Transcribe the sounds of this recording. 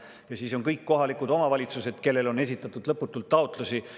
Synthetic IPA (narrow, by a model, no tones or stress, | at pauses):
jɑsiːso̞ŋkɤjkːo̞ɦɑlikud̪o̞mɑvɑlʲit̪suse̞d̪̥ke̞lːe̞lo̞ne̞s̬ʲit̪ːˑɑt̪ːˑud̪̥lɤpːˑut̪ːˑult̪ːɑot̪ˑlusi